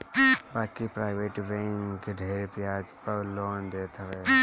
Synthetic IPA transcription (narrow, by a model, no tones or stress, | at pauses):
baːkipɾaːɪʋeːʈɾẽːŋkɖʱeːɾpjaːd͡ʒpəloːnd̪eːt̪ʰɐʋeː